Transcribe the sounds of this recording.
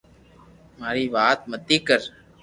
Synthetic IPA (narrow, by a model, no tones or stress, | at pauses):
maːɾiːʋaːt̪̚mət̪ːiːkəɾ